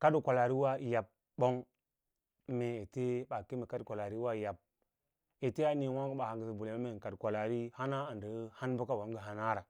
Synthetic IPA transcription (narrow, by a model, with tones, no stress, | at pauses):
ka˦du˨kʷa˨la˨ɾi˦wa˦˨ja˨b̚ | bo˦ŋ˦ | me˨e˨te˦ɓa˨ki˦me˨ka˦dkʷa˨la˨ɾi˦wa˦˨ja˨b̚ | e˨te˦a˦ni˨wʷa˦ŋɡə˦ɓa˨ha˨ŋɡə˨si˨bu˨le˨ma˦me˦˨ka˨dkʷa˨la˨ɾi˦ha˦na˦a˨ndə˨˦ha˦nbə˦ka˦wa˨ŋɡə˦ɦa˨na˦ɾa˨